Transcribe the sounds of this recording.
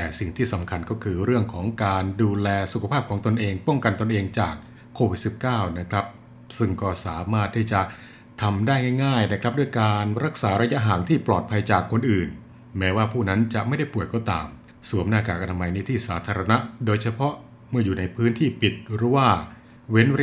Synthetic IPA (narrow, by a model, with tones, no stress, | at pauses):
t̪ɛː˨˩si˨˩ŋt̪ʰiː˥˩sa˩˦mkʰa˧nkɔː˥˩kʰɯː˧ɾɯ˥˩əŋkʰɔː˩˦ŋkaː˧nduː˧lɛː˧su˨kʰa˧pʰaː˥˩p̚kʰɔː˩˦ŋt̪o˧nʔeː˧ŋpɔ˥˩ŋka˧nt̪o˧nʔeː˧ŋt͡ɕaː˨˩k̚ʰː | oː˧wi˨˩t̪̚si˨˩p̚kaː˥˩wna˦˥kʰɾa˦˥p̚ | sɯ˥˩ŋkɔː˥˩saː˩˦maː˥˩t̪ʰːiː˥˩t͡ɕa˨˩ʔ | t̪ʰa˧mdaː˥˩jŋa˥˩jŋaː˥˩jna˦˥kʰɾa˦˥p̚du˥˩jkaː˧nɾa˦˥k̚saː˩˦ɾa˧ja˦˥ʔɦaː˩˦ŋt̪ʰiː˥˩plɔː˨˩t̪̚pʰa˧jt͡ɕaː˨˩kʰːo˧nʔɯː˨˩n | mɛː˦˥waː˥˩pʰuː˥˩na˦˥nt͡ɕa˨˩ʔma˥˩jda˥˩jpu˨˩əjkɔː˥˩t̪a̰ː˧m | su˨˩˦əmnaː˥˩kaː˨˩k̚ʔa˧nʰa˧ma˧jniː˦˥˩t̪ʰiː˥˩saː˩˦˥t̪ʰaː˧ɾa˧na˦˥ʔdoː˧jt͡ɕʰa˧pʰɔ˦˥ʔ | mɯ˥˩ɐjuː˨˩na˧jpʰɯː˦˥nt̪ʰiː˥˩pi˨˩t̪̚ɾɯː˨˦˥waː˥˩ | we˦˥n˧